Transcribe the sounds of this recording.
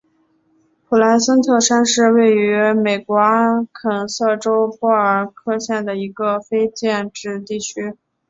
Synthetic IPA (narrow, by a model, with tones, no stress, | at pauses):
pʰu˨˩la˧˥nsə˥nt͡s̪ʰɤ˥˩ʂa˥nʂɻ̩˥˧we˥˩ɪy˧˥me˨˩ɪkwɔ˧˥kʰə˨˩nsɤ˥˩ʈ͡ʂo˥ʊpwɔ˥˩ə˞˨˩kʰɤ˥˧ɕjɛ˥˩nd̪ə˩i˧˥ɡə˧fe˥ɪt͡ɕjɛ˥˧nʈ͡ʂɻ̩˥˧t̪i˥˩t͡ɕʰy˥